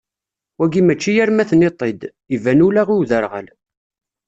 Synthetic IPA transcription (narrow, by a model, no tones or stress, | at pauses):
wæɡimæt͡ʃːijæɾmæθnɪt̪ˤːed̪ | ivænulaʁiwðəɾʁə̰l